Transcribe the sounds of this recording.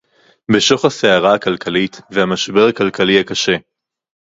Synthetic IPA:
beʃo̞χaseaʁaːkalkʰalit̪veamaʃbe̞ʁakalkalihakaʃe̞

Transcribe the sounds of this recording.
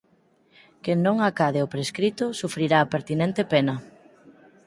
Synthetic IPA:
kenõŋakaðeopɾeskɾit̪ʊsufɾiɾaːpeɾt̪inẽnt̪epenɐ

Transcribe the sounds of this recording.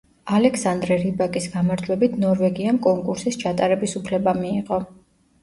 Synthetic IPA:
alɛksand̪ɾɛɾibakʼisɡamaɾt̪ʰlɛbit̪ʰnɔɾvɛɡiamkʼɔŋkʼuɾsist͡ʃʰat̪ʼaɾɛbisupʰlɛbamiːʁɔ

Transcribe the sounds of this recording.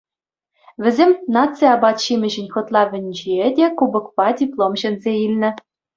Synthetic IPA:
vʲɘ̆zʲemʲnɑt͡sɨɑbɑt̪ɕimʲɘ̆ʑɘ̆nʲχɤ̆t̪lˠɑʋʲɘ̆nʲd͡ʑeɘ̆dʲekubɤ̆kpɑdʲiplˠomʑɘ̆nzʲeilʲnʲɘ̆

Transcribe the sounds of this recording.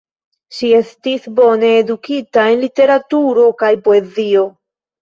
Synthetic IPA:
ʃie̞stisbo̞ne̞ːdukitae̞nlite̞ɾatuɾo̞kajpo̞e̞zio̞

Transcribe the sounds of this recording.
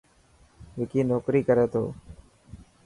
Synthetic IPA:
ʋɪkiːnoːkɾiːkəɾeːt̪ʰo̰ː

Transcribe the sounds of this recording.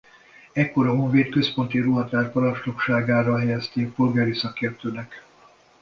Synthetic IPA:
ɛkːo̞ɾɒɦoɱveːt̪kø̞spo̞nt̪iɾuɦɒt̪aːrpɒlɒʃt̪o̞kʃaːɡaːɾɒɦɛjɛst̪eːkpo̞lɡaːɾisɒkeːrt̪øːnɛk

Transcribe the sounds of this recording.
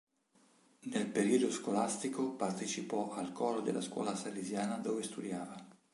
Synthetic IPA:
nelpeɾiod̪oskolast̪ikopart̪et͡ʃipɔʔalkɔːɾod̪ḛlʔa̰skwɔ̰ːlasalizjaːnad̪oːvest̪ud̪jaːva

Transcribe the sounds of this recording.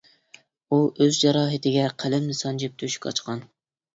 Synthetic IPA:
uʔøzd͡ʒɛɾɑːɦɪt̪ʰɪɡʲɛqʰælɪmnɪsɑnd͡ʒɪp̚t̪ʰyʃy̥kʲɑ̰t͡ʃqʰɑn

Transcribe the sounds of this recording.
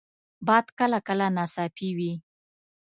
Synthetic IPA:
bɑd̪kəlakəlanɑsɑpiwi

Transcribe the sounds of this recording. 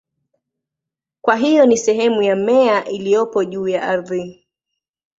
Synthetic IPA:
kwaɦijɔnisɛɦɛmujamɛaʔilijɔpɔʄuːjaʔaɾði

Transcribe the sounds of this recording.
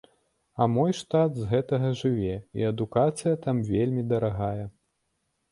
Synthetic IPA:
ɐmɔjʂt̪ad̪zɣɛt̪ɐɣɐʐɨvʲɛḭɐd̪ukat̪sɨjɐt̪amvʲelʲmʲid̪ɐɾaɣajɛ

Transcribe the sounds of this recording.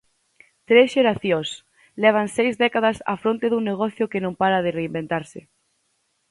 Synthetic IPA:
t̪ɾesʃeɾaθjos | lɛβ̞aŋsejzðɛkaðɐsa̰fɾont̪eðuŋneɣɔθjʊkenõmpaɾaðɪreimbẽnt̪aɾsɪ

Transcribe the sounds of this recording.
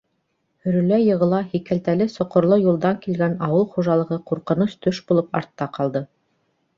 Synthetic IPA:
hɵ̆ɾɵ̆læjɤ̆ʁɤ̆lˠɑhikælt̪ælɘsŏqŏɾlˠɤjulˠd̪ɑŋkilɡænɑwɤlˠχuʒɑlˠɤ̆ʁɤquɾqɤ̆nust̪ɵʃbulˠɤpɑ̰ɾt̪ːɑqɑlˠd̪ɤ

